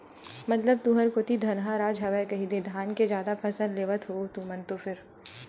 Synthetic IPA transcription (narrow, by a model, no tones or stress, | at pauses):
mɐt̪ləb̚t̪uɦəɾkot̪id̪ʱɐnɦaɾaːd͡ʒɦɐʋɛjkɐɦid̪eːd̪ʱaːnked͡ʒjaːd̪apʰɐsə̃nleːʋət̪ɦoːt̪umɐnt̪ofɪɾ